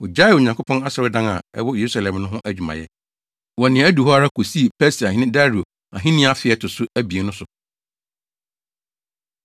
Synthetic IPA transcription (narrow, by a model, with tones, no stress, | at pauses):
wɔ˨d͡ʑa˦ɪ˨o˨ɲã˨ŋkʰo˦pʰɔ̃˦na˦sɔ˨ɾɪ˦dã˦na˨ɛ̰˦wɔ˦je˨ɾu˦sa˨lɛ̃˨mnʊ̃˦ɦʊ̃˦ʔæ˦d͡ʑᶣu˨mã̰˨jɛ̰˦ | wɔ˨nɪ̃˨ɛ˨˦æ˦du˨ɦɔ˦a˦ɾa˦kʰo˨si˦e˨pʰɛ˦si˨a˨ɦɪ̃˦nɪ̃˦da˦ɾi˨o˨ | a̰˨ɦɪ̃˦nɪ̃˦a˦fɪ˨ɛ˦tʰʊ˨sʊ˦æ˦bi˨e˨˦nʊ̃˦sʊ˨